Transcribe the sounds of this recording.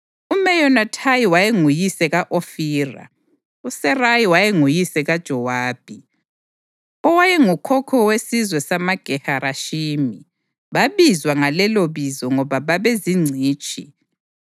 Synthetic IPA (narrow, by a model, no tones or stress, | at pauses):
umɛjɔnatʰajiwajeŋujisɛɣaʔofiːra̰ | usɛrajiwajeŋujisɛɣad̥ʒ̥ʱɔwaːb̥ʱi | ɔwajɛŋukʰɔkʰɔwesizwɛsamaɡ̥ʱɛhaɾʔaʃimi | βaβizwaŋalɛloβizɔŋɔβaβaβeziŋ͡ǀʱiːt͡ʃʼʰḭ